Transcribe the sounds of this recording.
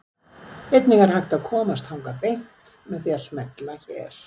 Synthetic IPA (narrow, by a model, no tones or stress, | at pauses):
vejt̪nɪŋɣaɾ̥hajxt̪awkʰɔːmast̪hawŋkapejn̥tmɛðθjal̥smɛt̪laɾɛ̰ɾ̥